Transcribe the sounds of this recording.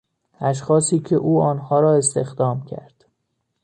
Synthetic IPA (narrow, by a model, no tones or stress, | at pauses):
æʃ̬xɒːsiːcʰeʔuːɒːnhɒːɾɒːe̞st̪e̞̰xd̪ɒːmcʰæ̰ɾd̪̥